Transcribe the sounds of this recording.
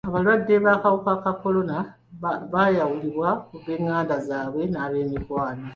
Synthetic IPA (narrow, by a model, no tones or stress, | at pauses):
aβalwadːe̞βakawukakako̞lo̞na | βajawuliβwauβeːŋːaːndazaːβwe̞naːβe̞ːmikwaːno